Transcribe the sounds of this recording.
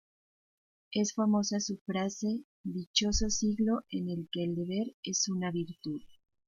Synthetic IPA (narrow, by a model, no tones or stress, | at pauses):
e̞sfamo̞sasufɾase̞ | ðit͡ʃo̞so̞siɣlo̞ʔe̞ne̞lke̞ːld̪e̞βe̞ɾe̞sunaβiɾt̪uð